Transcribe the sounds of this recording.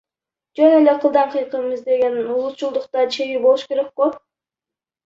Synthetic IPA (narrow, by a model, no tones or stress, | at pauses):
d͡ʒøneleqʰɯlˠd̪ɑɴqʰɯjqɯmɯzd̪e̞ɡʲenulˠut̪̚t͡ʃulˠd̪uqt̪ɑt͡ʃʰeɡibolˠuʃkʲeɾek̚qʊ